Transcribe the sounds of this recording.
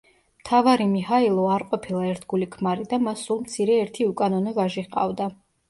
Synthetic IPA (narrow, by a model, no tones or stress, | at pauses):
mt̪ʰavaɾimihailˠɔaɾqʼɔpʰilˠaɛɾt̪ʰɡulikʰmaɾid̪amasːulˠmt̪sʰiɾɛːɾt̪ʰiukʼanɔnɔvaʒiʁqʼa̰vd̪a